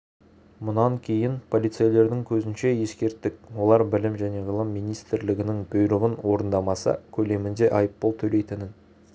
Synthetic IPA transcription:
mʊnɑŋkʲʰejɪnpʰo̞lˠijt̪sɨjele̞ɾd̪ɪŋkʲʰɵzɪnʃe̞je̞skʲe̞ɾt̪ːɪk̚wo̞lˠɑɾbɪlɪmʒæne̞ʁəlˠəmːijnijst̪ɾlɪɡʲɪnɪŋbojɾəʁənwo̞ɾənd̪ɑmɑsə̰kʲʰɵle̞mɪnd̪e̞ʔɑjəpːolˠt̪ʰɵle̞jt̪ɪnɪn

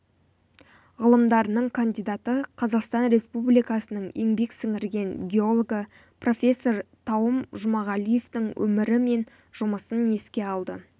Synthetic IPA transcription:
ʁəlˠəmd̪ɑɾənəɴkʰand̪ijd̪ɑt̪əqʰɑzɑqst̪ɑnɾe̞spublijkɑsənəɴjeŋbe̞ksɪŋɪɾɡʲe̞nɡʲeo̞lˠoɡə | pro̞fʲe̞sːo̞ɾt̪ʰɑwəmʒʊmɑʁɑlije̞ft̪ɪŋwɵ̰mɪɾɪme̞n | ʒ̥ʊməsəne̞skʲe̞ɑlˠd̪ə

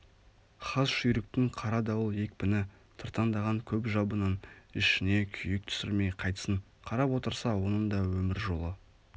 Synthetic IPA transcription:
χɑzʃʏjɾɪk̚t̪ɪŋqʰɑɾɑd̪ɑwəlˠje̞k̚ʲpɪnɪ | t̪ʰəɾt̪ɑnd̪ɑʁɑŋkʲʰɵpʒɑbənənɪʃɪne̞kʲʰʏjɪk̚t̪ʰʏ̥sɪɾme̞jqʰɑjt̪ə̥səɴ | qʰɑɾɑpwo̞t̪əɾsɑwo̞nənd̪ɑwɵmɪɾʒo̞lˠə

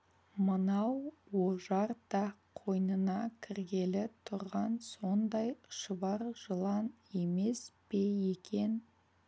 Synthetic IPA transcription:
mənɑwwoʒɑɾd̪ɑqʰo̞jnənɑkʲʰɪɾɡʲe̞lɪt̪ʰʊɾʁɑnso̞nd̪ɑjʃəβɑɾʒ̥əlˠɑn | e̞me̞sb̥e̞je̞kʲʰe̞n

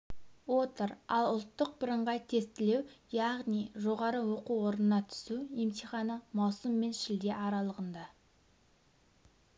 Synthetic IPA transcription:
wot̪əɾɑlˠʊlˠt̪ːəq̚bɪɾəɴʁɑjt̪ʰe̞st̪ɪle̞wjɑʁnijʒo̞ʁɑɾəwo̞quwo̞ɾənənɑt̪ʰʏ̥suemt̪ijχɑnəmɑwsəmːe̞nʃɪld̪e̞ʔɑɾɑlˠəʁənd̪ɑ

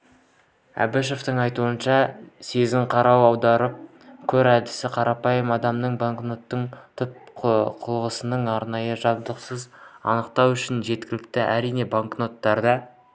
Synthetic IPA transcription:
æ̰beʃoft̪əɴɑjt̪uənʃɑse̞zɪɴqʰɑɾɑwɑwd̪ɑɾəp̚ | kʲʰɵɾæd̪ɪsɪqʰɑɾɑpɑjəmɑd̪ɑmnəɴbaŋkno̞t̪ːəɴt̪ʰʏp̚qʰʊlˠʁəsənəɴɑɾnɑjəʒɑb̚d̪əqsəzɑ̰nəqt̪ɑwʏʃɪnʒe̞t̪kʲɪlɪk̚t̪ɪʔæɾijne̞baŋkno̞t̪ːɑɾd̪ɑ

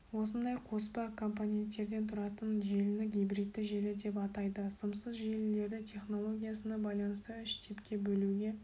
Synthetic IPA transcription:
wo̞s̬ənd̪ɑjqʰo̞spɑkʰo̞mpanʲe̞nt̪ːe̞ɾd̪e̞nt̪ʰʊɾɑt̪ənʒe̞lɪnɪɡʲijbɾijt̪ːɪʒelɪd̪e̞pɑt̪ɑjd̪əsəmsəzʒe̞lɪle̞ɾd̪ɪt̪ʲʰe̞χno̞lˠo̞ɡʲijasənɑbɑjlˠɑnəst̪əʏʃt̪ʰe̞pkʲe̞bɵluɡʲe̞

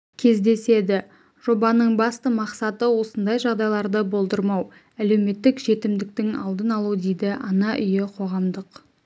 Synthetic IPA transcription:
kʲʰe̞zd̪e̞se̞d̪ɪ | ʒ̥o̞bɑnəɴbɑst̪əmɑqsɑt̪əwo̞sənd̪ɑjʒɑʁd̪ɑjlˠɑɾd̪əbo̞lˠd̪əɾmɑw | æle̞wme̞t̪ːɪkʒe̞t̪ɪmd̪ɪk̚t̪ɪŋɑ̰lˠd̪ənɑlˠud̪ejd̪ɪʔɑnɑʔʏjɪqʰo̞ʁɑmd̪əq

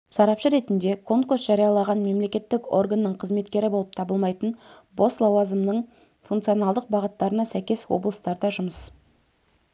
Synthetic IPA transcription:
sɑɾɑpʃəɾe̞t̪ɪnd̪e̞kʰo̞ŋkursʒ̥ɑɾijɑlˠɑʁɑnme̞mle̞kʲe̞t̪ːɪko̞̰rɡanːəɴqʰəzme̞t̪kʲe̞ɾɪbo̞lˠəp̚t̪ʰɑbəlˠmɑjt̪ənbo̞slˠɑwɑzəmnəɴ | funkt̪sijo̞nɑlˠd̪əq̚bɑʁət̪ːɑɾənɑsæjkʲe̞swo̰blˠəst̪ɑɾd̪ɑʒʊməs

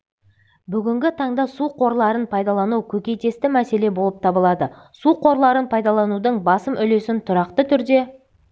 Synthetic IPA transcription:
bʏɡʲɪŋɡʲɪt̪ʰɑɴd̪ɑsuqʰo̞ɾlˠɑɾənpʰɑjd̪ɑlˠɑnuwkʲʰɵkʲe̞jt̪e̞st̪ɪmæse̞le̞bo̞lˠəp̚t̪ʰɑbəlˠɑd̪ə | suqʰo̞ɾlˠɑɾənpʰɑjd̪ɑlˠɑnud̪əɴbɑsəmʔʏle̞sɪnt̪ʰʊɾɑqt̪ət̪ʰʏɾd̪e̞

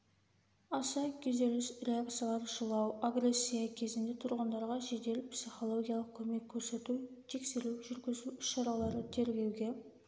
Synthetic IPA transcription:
ɑsɑkʲʰeze̞lɪsɾeak̚t̪sijalˠɑɾəʒəlˠɑwaɡre̞sʲːijakʲʰe̞zɪnd̪e̞t̪ʰʊɾʁənd̪ɑɾʁɑʒe̞d̪e̞lɪpsiχo̞lˠo̞ɡʲijalˠəq̚kʲʰɵme̞kʲʰːɵɾse̞t̪ut̪ʰe̞kse̞ɾuwʒʏɾɡʲɪzuʏʃːɑɾɑlˠɑɾət̪ʰe̞ɾɡʲe̞wɡʲe̞

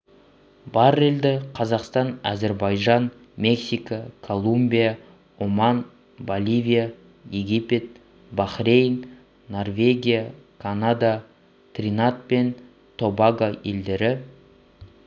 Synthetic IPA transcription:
bɑɾe̞ld̪ɪqʰɑzɑqst̪ɑnæ̰ze̞ɾbɑjʒɑn | me̞ksijkakʰo̞lˠumbʲija | omɑn | bolʲˠivʲija | jeɡʲipe̞t̪̚ | bɑχrejn | no̞rvʲe̞ɡʲijakʰanad̪a | t̪rʲinat̪̚pe̞n | t̪ʰo̞baɡaje̞̰ld̪e̞ɾɪ

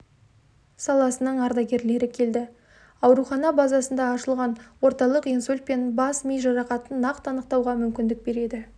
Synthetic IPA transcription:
sɑlˠɑsənəɴɑɾd̪ɑɡʲe̞ɾle̞ɾɪkʲʰe̞ld̪ɪ | ɑwɾuχɑnɑbɑzɑsənd̪ɑːʃəlˠʁɑnwo̞ɾt̪ɑlˠəqinsulʲt̪̚pe̞nbɑsmijʒɑɾɑqɑt̪ənːɑqt̪ɑnəq̚t̪ɑwʁɑmʏmkʲɪnd̪ɪk̚be̞ɾe̞d̪ɪ

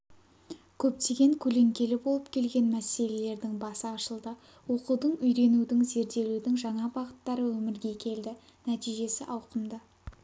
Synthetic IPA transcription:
kʲʰɵp̚t̪e̞ɡʲe̞ŋkʲʰɵle̞ŋkʲe̞lɪbo̞lˠəp̚kʲʰe̞lɡʲe̞nmæse̞le̞le̞ɾd̪ɪŋbɑsəɑʃəlˠd̪ə | wo̞qud̪əɴʏjɾe̞nud̪ɪŋze̞ɾd̪e̞lud̪ɪŋʒɑɴɑbɑʁət̪ːɑɾəwɵmɪɾɡʲe̞kʲʰe̞ld̪ɪ | næt̪ijʒe̞sɪʔɑwqəmd̪ə

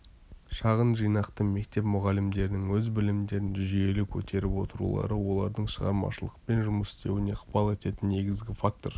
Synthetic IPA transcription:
ʃɑʁənʒijnɑqt̪əme̞k̚t̪e̞pmʊʁɑlɪmd̪e̞ɾɪnɪŋwɵzbɪlɪmd̪e̞ɾɪnʒʏzʒje̞lɪkʲʰɵt̪ʰe̞ɾɪpwo̞̰t̪əɾṵlˠɑ̰ɾəwo̞lˠɑɾd̪əɴʃəʁɑ̰ɾmɑ̰ʃəlˠəq̚pe̞nʒʊməsɪ̥st̪ʰe̞wɪne̞qʰpɑlˠe̞t̪e̞t̪ɪnːe̞ɡʲɪzɡʲɪfak̚t̪o̞ɾ

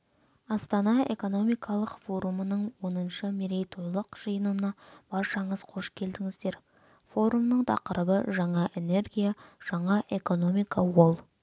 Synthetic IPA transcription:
ɑst̪ɑnɑe̞̰ko̞no̞mijkʰɑlˠəqfo̞ɾumənəɴwo̞nənʃəmeɾe̞jt̪ʰo̞jlˠəqʒ̥əjənənɑb̥ɑɾʃɑɴəz̥qʰo̞ʃkʲʰe̞ld̪ɪŋɪzd̪e̞ɾ | fo̞ɾumnəɴt̪ʰɑ̰qəɾəbəʒɑɴɑʔe̞ne̞ɾɡʲijaʒ̥ɑɴɑʔe̞ko̞no̞mijkʰɑwo̞lˠ

